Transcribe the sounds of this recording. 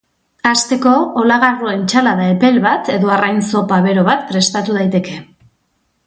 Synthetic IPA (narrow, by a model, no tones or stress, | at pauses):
ast̪e̞ko̞ːlaɣarue̞nt͡ʃalaðae̞pe̞lβat̪e̞ðo̞arajnso̞paβe̞ɾo̞βat̪pɾe̞st̪at̪uð̞ajt̪e̞ke̞